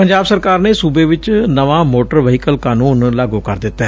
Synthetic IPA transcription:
pəɲd͡ʒaːbsəɾkaːɾneːsuːbeːʋɪt͡ʃnəʋãːmoːʈəɾʋəɦɪkəlkaːnuːnlaːɡuːkəɾd̪ɪt̪ːɛː

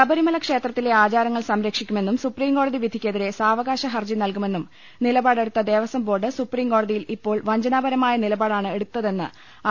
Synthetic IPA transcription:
sɐbɐɾimɐlɐkʂe̞ːt̪rɐt̪ːile̞aːt͡ɕaːɾɐŋːɐɭsɐmɾɐkʂikʲːume̞nːumsupriːmko̞ːɽɐðiʋid̪ʱikʲːeðiɾe̞saːʋɐɡaːɕɐɦɐrd͡ʑinɐlkume̞nːum | nilɐbaːɽe̞ɽut̪ːɐd̪e̞ːʋɐsɐmbo̞ːrɖɨsupriːmko̞ːɽɐðijilipːo̞ːɭʋɐɲd͡ʑɐnaːbɐɾɐmaːjɐnilɐbaːɽaːɳɨe̞ɽut̪ːɐðe̞nːɨ̰

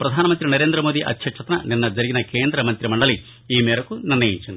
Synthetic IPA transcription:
pɾɐd̪ʱaːnɐmɐnt̪ɾinɐɾe̞ːnd̪ɾɐmo̞ːd̪iʔɐ̰t̪ʰjɐʈʂʰɐt̪ɐnɐ̰ninːɐd͡ʒɐɾiɡinɐke̞ːnd̪ɾɐmɐnt̪ɾjɐmɐɳɖɐli | iːmeːɾɐkːunirnɐjḭɲt͡ʃːɐnd̪u

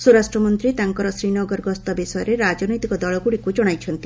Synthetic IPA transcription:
suɾasʈɾɔmɔnt̪ɾit̪aŋkɔɾɔsɾinɔɡɔɾɡɔst̪ɔbisɔjɔɾeɾad͡ʒɔnɔjt̪ikɔd̪ɔɭɔɡuɽikud͡ʒɔɽ̃ajt͡ʃʰɔnt̪i

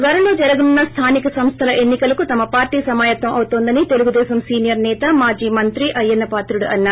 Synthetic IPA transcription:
ʋɐɾɐloːd͡ʒɐɾɐɡunːɐst̪ʰaːnikɐsɐmst̪ʰɐlɐʔe̞nːikɐlɐkut̪ɐmɐpaːɾʈiːsɐmaːjɐt̪ʋɐmʔɐwut̪oːnd̪ɐnit̪eluɡud̪ɛːsɐmsiːnijɐɾnɛːt̪ɐmaːd͡ʒiːmɐnt̪ɾiʔɐjːɐnːɐpaːt̪ɾuɽuʔɐnːaː

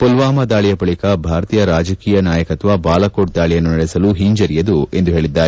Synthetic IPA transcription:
polʋaːmɐd̪aːɭijɐbɐɭikɐbʱaːɾɐt̪iːjɐɾaːd͡ʒɐkiːjɐnaːjɐkɐt̪ʋɐbaːlɐkoʈ̚d̪aːɭijɐnːunɐɽesɐluɦiɲd͡ʒɐɾijɐd̪ue̞nd̪uɦeːɭid̪ːaːɾe

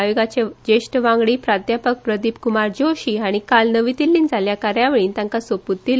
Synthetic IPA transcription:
jiɡat͡ɕed͡ʑeɕʈəʋãŋɡɽiːpɾat̪japək̚pɾəd̪ipkumaɾd͡ʑoɕiːaɽ̃ikalnəʋit̪ilːiːnd͡zʱaljakaɾjaʋeɭiːnt̪jãŋkasəput̪ːil

